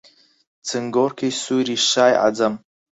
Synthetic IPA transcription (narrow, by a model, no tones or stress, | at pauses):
t͡sʰɨŋɡorkʰejsuɾiʃaːjʔa̰d͡zam